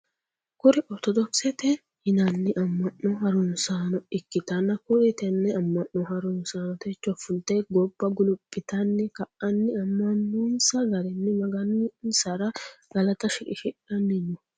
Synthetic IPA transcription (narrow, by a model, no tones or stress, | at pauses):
kʊɾɪʔɔɾt̪ɔd̪ɔpsɛt̪ɛ | hɪnɐnːɪʔɐmːɐnːɔhɐɾʊnsaːnɔɪkːɪt̪ɐnːɐkʊɾɪt̪ɛnːɛɐmːɐnːɔhɐɾʊnsaːnɔt̪ɛt͡ʃːɔfʊnt̪eɡɔbːɐɡʊlʊpʼːɪt̪ɐnːɪkɐʔɐnːɪɐmːɐnːuːnsɐɡɐɾɛnːɪmɐɡɐnnsɐɾɐɡ̥ɐlɐt̪ɐʃɪkʼɪʃɪᶑɐnːɪnːʊ